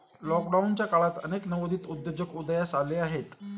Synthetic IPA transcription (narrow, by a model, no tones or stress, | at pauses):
lɔk̚ɖaunt͡ɕjakaɭat̪ə̰neknəʋod̪ʱiːt̪ud̪jod͡ʑəkud̪jasaleaɦet̪